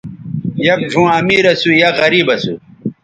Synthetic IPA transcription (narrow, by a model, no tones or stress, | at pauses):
jɐk̚ɖʱũːɐmiːɾɐsujɐɣɐɾiːbɐsu